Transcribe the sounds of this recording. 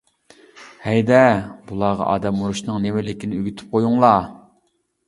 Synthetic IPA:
hɛjd̪ɛbulˠɑʁɑ̰ʔɑ̰ːd̪ɛmuɾuʃnɨŋnemɪlɪkʲinɪøɡʲyt̪ʰy̥p̚qʰojuŋlˠɑ

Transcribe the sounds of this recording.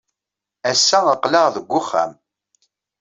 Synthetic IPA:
æsːæəqləʁðəɡʷːʊχːæ̰m

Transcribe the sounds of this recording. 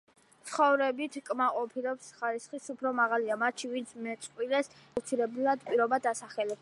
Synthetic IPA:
t̪sʰχɔvɾɛbit̪ʰkʼmaqʼɔpʰilɛpsχaɾisχisupʰɾɔmaʁaliamat̪t͡ʃivint̪sʰmɛt̪sʼqʼwilɛs | ft̪sʰiɾɛblˠad̪pʼiɾɔbad̪asaχɛlɛ

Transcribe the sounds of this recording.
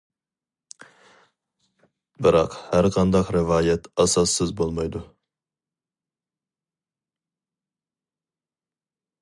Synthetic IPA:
bɪɾɑqhæɾqʰɑnd̪ɑqɾɪvɑːjɛt̪ɑsɑsːɨzbolˠmɑjd̪u

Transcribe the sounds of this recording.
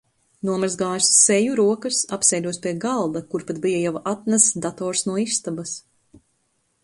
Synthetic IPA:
nuɔmaɾzɡaːjssɛjuɾuɔkɨsapsɛjd̪ʲuɔspʲiɛɡalˠd̪akuɾpat̪̚bijajawat̪̚næsd̪at̪ɔːɾsnuɔist̪abas

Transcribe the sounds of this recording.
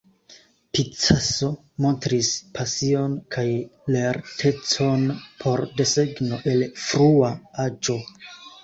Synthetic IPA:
pit͡saso̞ | mo̞ntɾispʰasio̞nkʰajle̞ɾtʰe̞t͡so̞npʰo̞ɾde̞se̞ɡno̞ʔe̞lfɾuaad͡ʒo̞

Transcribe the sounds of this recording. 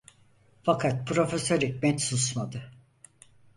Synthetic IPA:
fakʰat̪̚pʰɾo̞fesøɾicʲmɛt̪susmad̪ɯ

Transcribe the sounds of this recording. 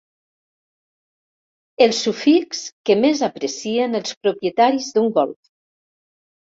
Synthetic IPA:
elˠsːufikskəmezapɾəsienəlˠspɾopjət̪aɾizðuŋɡɔlˠf

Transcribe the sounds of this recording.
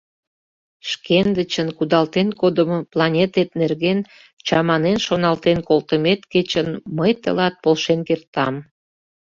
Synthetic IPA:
ʃkend̪ət͡ɕənkud̪ɑlt̪enkod̪əmoplɑnʲet̪et̪nerɣen | t͡ɕɑmɑnenʃonɑlt̪enkolt̪əmet̪ket͡ɕənməjt̪ə̰lɑt̪̚polʃenkert̪ɑm

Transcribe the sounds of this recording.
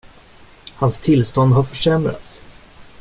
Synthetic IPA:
hanst̪ʰɪlst̪ɔnd̪ɦaɾfœʂɛmɾa̰t̪s

